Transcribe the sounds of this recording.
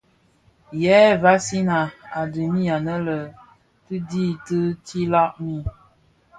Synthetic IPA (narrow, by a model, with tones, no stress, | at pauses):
jɛ˨˦va˦si˦na˨a˨də˨mi˦a˨nə˦lə˨ | tɨ˦di˦tɨ˦ti˦la˦ʔmi˦˨